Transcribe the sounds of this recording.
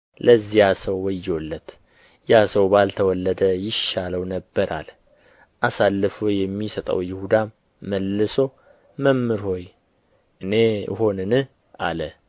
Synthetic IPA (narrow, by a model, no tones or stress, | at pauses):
lʔəzːijasəwːɔjːolːət̪ | jasəwbalt̪ʰəwɔlːəd̪əjɪʃaləwnəbːəɾʔa̰l | ʔasalːɨfojɛmːisət̪ʼə̰wjɪhud̪aː | əlːɨso̞ | məmːɨɾho̞j | ʔɨne̞̰ho̞nɨnɨh | alə